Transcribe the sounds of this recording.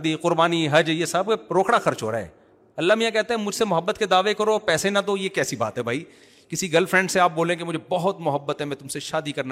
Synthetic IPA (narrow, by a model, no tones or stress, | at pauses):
d̪iqʊɾbaːniɦɐd͡ʒjesab̚keɾoːkɽaxɐɾt͡ʃɦo̰ːɾa̰ːɦɛ̰ː | ɐlːamijãkɛɦt̪ẽɦɛ̃mʊd͡ʒʱsemʊɦəbːət̪ked̪aːʋekɐɾoːpɛːsẽnɐd̪oːjekɛːsiba̰ːt̪ɦɛbʱaːi | kɪsiɡɐlfɾɛ̃ːɳɖseaːp̚boːlẽk̬emʊd͡ʒʱebɐɦʊt̪mʊɦəbːət̪ɦɛmɛ̃ːt̪ʊmseʃaːd̪ikɐɾna